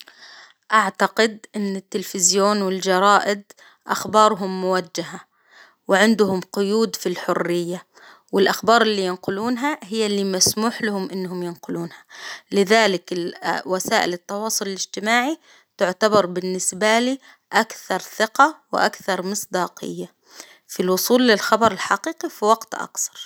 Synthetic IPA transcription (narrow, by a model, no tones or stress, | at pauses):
ʔaʕt̪aqɪd̪ʔɪnːɪt̪ːɪlfɪzjoːnwɪld͡ʒɑɾˤɑːʔɪd̪ | ʔa̰xbɑːɾˤɦʊmːʊwad͡ʒːaɦa | wɪʕɪnd̪ʊhʊmqʊjuːd̪filħʊrːɪjːa | wɪlʔaxbɑːɾˤɪlːiːjɪnqʊluːnɦaɦɪjːalːiːmasmuːħlahʊmʔɪnːɦʊmjɪnqʊluːnhalɪðaːlɪkɪwasaːʔɪlɪt̪ːɑwɑːsˤʊlɪlɪd͡ʒt̪ɪmaːʕi | t̪ʊʕt̪abɑɾˤbɪnːɪsbaliː | ʔakθɑɾˤθɪqawɪ̰ʔa̰kθɑɾˤmɪsˤd̪ɑːqɪ̰jːa | filwʊsˤuːlːɪlxɑbɑɾˤɪlħaqiːqifiwaɡt̪ʔa̰kθɑ̥ɾˤ